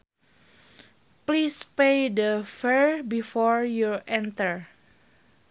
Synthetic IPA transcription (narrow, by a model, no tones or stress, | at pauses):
plispejdəfɛɹbifɔɹjuʔɛ̃nt̪əɹ